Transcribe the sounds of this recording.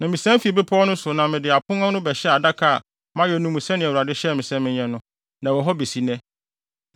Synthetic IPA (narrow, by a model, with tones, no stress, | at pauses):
nã˨mĩ˨sɛ̃˦m˦fi˨e˨be˦pʰɔ˦nʊ̃˦sʊ˨nã˨mɪ̃˨dɪ˨a˨pʰʊ̃˦nã˦nʊ̃˦bɛ˨ɕɛ˦a˨da˦kʰa˨ | mã˦ɥɛ˨nũ˦mũ˨sɛ̃˦nɪ̃˨wu˨ɾa˨dɪ˦ɕɛ˦˨mɪ̃˨sɛ̃˦mɪ̃˦ɲɛ̃˦nʊ̃˦ | nã˨wɔ˨ɦɔ˦be˨si˨nɛ̃˦